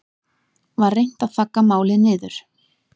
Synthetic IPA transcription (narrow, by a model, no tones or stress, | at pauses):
vaɾːejn̥t̪aðθakːamaːwlɪnɪːðʏɾ̥